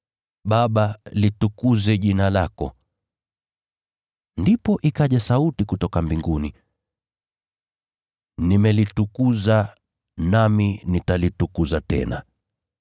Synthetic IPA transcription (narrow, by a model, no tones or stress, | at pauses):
ɓaɓalitukuzɛʄinalakɔ̰ | ndipɔʔikaʄasautikutɔkambiŋɡuni | nimɛlitukuza | naminitalitukuzatɛ̰na̰